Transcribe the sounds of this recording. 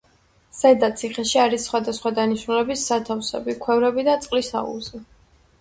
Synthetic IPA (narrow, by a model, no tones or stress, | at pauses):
sɛd̪at̪sʰiχɛʃiaɾisːχwad̪asχwad̪aniʃnulɛbisːat̪ʰafsɛ̰bikʰwɛvɾɛbid̪at̪sʼqʼlisa̰ṵlˠzɛ